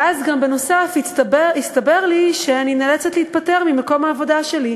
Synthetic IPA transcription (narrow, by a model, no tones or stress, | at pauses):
azɡambe̞no̞safibist̪abe̞ʁliʃeaninelet͡setleit̪̚pate̞ʁmimeko̞maːvo̞daʃe̞li